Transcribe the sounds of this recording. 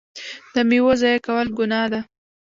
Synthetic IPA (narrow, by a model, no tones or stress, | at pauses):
d̪̥əmiwozɑjakawəlɡʊnɑd̪a